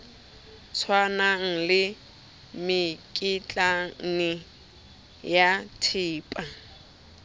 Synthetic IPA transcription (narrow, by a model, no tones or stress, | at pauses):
t͡sʰwanaŋ̩lɪ | mɪkʼit͡ɬʼanɪ | jatʰiːpʼa